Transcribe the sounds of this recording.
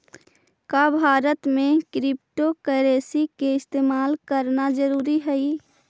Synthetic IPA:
kaːbʱaːɾət̪mẽkɾɪp̚ʈokəɾeːsikeɪst̪eːmaːlkəɾnad͡ʒəɾuːɾiɦɛi

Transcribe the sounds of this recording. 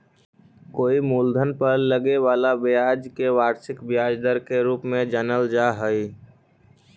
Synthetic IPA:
koːimuːld̪ʱənpəɾləɡeʋaːlabjaːd͡ʒkeʋaːɾsɪkbjaːd͡ʒd̪əɾkeɾuːpmẽd͡ʒanəld͡ʒaɦəi

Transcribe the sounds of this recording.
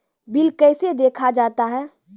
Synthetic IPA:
bɪlkɛːsed̪eːkʰad͡ʒaːt̪aɦɛː

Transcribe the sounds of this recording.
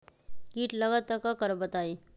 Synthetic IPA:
kiːʈləɡət̪ːəkakəɾbət̪aːiː

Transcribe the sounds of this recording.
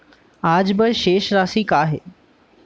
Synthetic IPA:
aːd͡ʑbɪʃeːʃɾaːsikaːɦḛː

